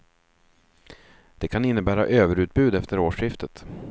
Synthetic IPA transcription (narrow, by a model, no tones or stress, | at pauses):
d̪̥ɛkʰanɪnːəbæːɾa̰ʔøːvəɾʉ̟ːt̪̚bʉ̟ːd̪ɛft̪əɾoːʂɪft̪ət̪